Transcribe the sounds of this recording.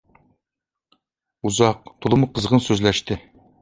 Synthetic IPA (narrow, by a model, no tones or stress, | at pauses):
uzɑq̚t̪ʰulˠəmuqʰəzʁɤnsɵzlæʃt̪ɪ